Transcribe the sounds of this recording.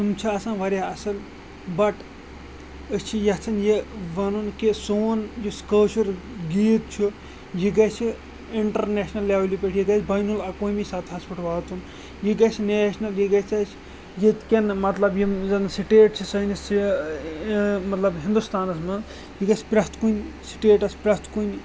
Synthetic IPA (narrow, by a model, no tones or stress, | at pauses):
sumt͡ʃʰiɐsãnʋɐɾʲaɐsɐl | bɐʈ | əst͡ʃʰijɐt͡sʰɐnjeʋɐnunkesoːnjuskəːt͡ʃɐɾɡiːt̪̚t͡ʃʰu | jiɡɐt͡ʃʰi | iɳʈɐɾneʃnɐlːaːʋlʲipʲeʈʰjiɡɐsʰʲbɐjnulɐkoːmisat̪ʰɦɐspɐʈʰʋaːt̪ʰun | jiɡɐt͡ʃʰineːʃnɐljiɡɐt͡sʲʰɐt͡ʃʰ | jit̪kʲɐnmɐt̪lɐbjizɐnsiʈeːʈ̚t͡ʃʰisɐni | mɐt̪lɐbɦĩnd̪ust̪aːnɐsmɐ | jiɡɐsʲpʲɾɐst̪ʰkunʲsi̥ʈeːʈɐsʲpʲɾɐst̪kunʲ